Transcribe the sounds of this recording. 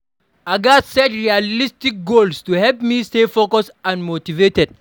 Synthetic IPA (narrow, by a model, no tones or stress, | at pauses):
aɡasɛtɹialistik̚ɡolstuhɛlpmistefokɔsãnmotivetɛd̚